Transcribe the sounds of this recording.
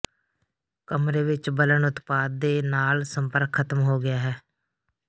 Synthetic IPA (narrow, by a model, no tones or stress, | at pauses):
kəmɾeːʋɪt͡ʃbələɳʊt̪paːd̪ːeːnaːlsəmpəɾkʰːət̪əmɦoːɡɪjaːɦɛː